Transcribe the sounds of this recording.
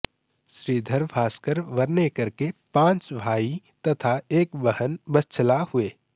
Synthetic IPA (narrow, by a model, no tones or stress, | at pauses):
ʃɾiːd̪ʱəɾbaːskəɾʋɐɾnekɐɾkepãːt͡ʃbʱaːi | t̪ɐt̪ʰaeːkbəhənbəst͡ʃʰəlahʊeː